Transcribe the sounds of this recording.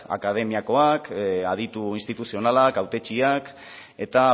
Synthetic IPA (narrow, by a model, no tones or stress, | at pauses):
a̰kað̞e̞miako̞akað̞it̪uinst̪it̪usio̞nalakawt̪e̞t͡ʃiak | e̞t̪a